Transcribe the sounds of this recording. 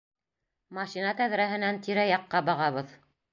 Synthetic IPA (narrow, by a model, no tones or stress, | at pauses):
mɑʃinɑt̪æðɾæɦɘ̆nænt̪ʰiɾæjɑqːɑbɑʁɑβɤð